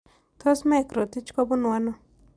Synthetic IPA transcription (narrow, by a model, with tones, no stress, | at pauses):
t̪ʰɔ˦smɛ˦˨kɾɔ˨t̪i˦t͡ʃkɔ˦bʊ˦n˨wa˦nɔ˨